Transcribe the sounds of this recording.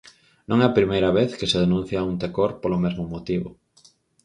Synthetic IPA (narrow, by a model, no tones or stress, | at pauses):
nõŋɛapɾimejɾɐβeθkeseð̞enũn̟θjaunt̪ekoɾpolomezmomot̪iβo̰